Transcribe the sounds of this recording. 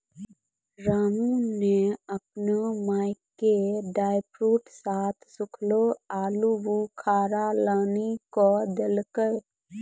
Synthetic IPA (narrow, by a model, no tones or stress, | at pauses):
ɾaːmuneəp̚nomaːɪkːeɖaːɪpɾuːʈsaːt̪ʰsʊkʰloaːlubukʰaːɾalaːnikɔd̪elkəɾ